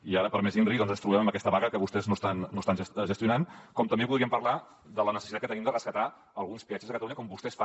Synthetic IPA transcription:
iaɾəpəɾmezinrikðɔnzənst̪ɾuβɛməmbəkɛst̪əβaɣəkəβust̪ɛznost̪anːost̪anʒəsʒəst̪iunankɔmt̪əmbeβuðˠɾiəmpəɾla | d̪ələnəsəsit̪at̪kət̪ənimd̪ərəskət̪a | əlˠɣunspiat͡ʃəzðəkət̪luɲəkɔmbust̪ɛsfa

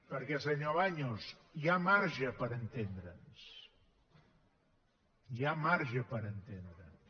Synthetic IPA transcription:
pəɾkɛsəɲoβaɲosjamaɾʒəpəɾənt̪end̪ɾəns | jamaɾʒəpəɾənt̪end̪ɾəns

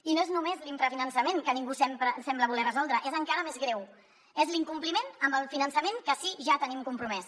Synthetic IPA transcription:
inoeznumezliɱfɾəfinənsəmeŋkəniŋɡusɛmpɾəsɛmbləβulɛrəzɔlˠd̪ɾəʔezəŋkaɾəmezɣɾɛw | ezliŋkumplimenəmbəlˠfinənsəmeŋkəsiʒat̪ənimkumpɾumɛs

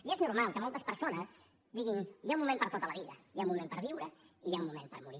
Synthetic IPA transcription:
ieznuɾmalˠkəmɔlˠt̪əspəɾsonəz | d̪iɣinjaumumempəɾt̪ot̪ələβiðəjaumumempəɾβiwɾəiʒaumumempə̰ɾmuɾi

